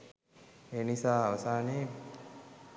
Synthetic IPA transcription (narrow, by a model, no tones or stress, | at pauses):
eːnisaːaʋɐsaːne